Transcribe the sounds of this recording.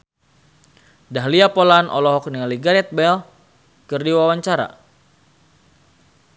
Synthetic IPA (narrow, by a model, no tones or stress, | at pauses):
daɦliapolanʔɔ̰lɔɦɔkniŋaliɡaɾɛt̪̚bɛl | kɨrdiwawaɲt͡ʃaɾa̰